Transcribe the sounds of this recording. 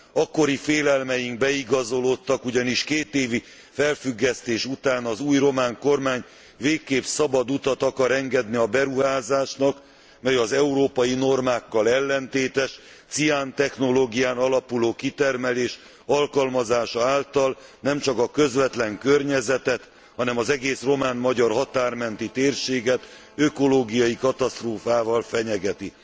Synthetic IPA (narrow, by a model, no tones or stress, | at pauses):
ɒkːo̞ɾifeːlɛlmɛjiŋɡ̚bɛiɡɒzo̞lo̞t̪ːɒkuɟɒniʃkeːt̪eːvi | fɛlfyɡːɛst̪eːʃut̪aːnɒzuːjro̞maːŋko̞rmaːɲ | veːkːeːpsɒbɒd̪ut̪ɒt̪ɒkɒɾɛŋɡɛd̪niɒbɛɾuɦaːzaːʃnɒk | mɛjɒzɛuɾoːpɒjino̞rmaːkːɒlɛlːɛnt̪eːt̪ɛʃ | t̪siaːnt̪ɛxno̞loːɡijaːnɒlɒpuloːkit̪ɛrmɛleːʃ | ɒlkɒlmɒzaːʃɒaːlt̪ɒlnɛmt͡ʃɒkɒkø̞zvɛt̪lɛŋkørɲɛzɛt̪ɛt̪ | hɒnɛmɒzɛɡeːsro̞maːnmɒɟɒrɦɒt̪aːrmɛnt̪it̪eːrʃeːɡɛt̪ | øko̞loːɡijɒjikɒt̪ɒst̪roːfaːvɒlfɛɲɛɡɛt̪i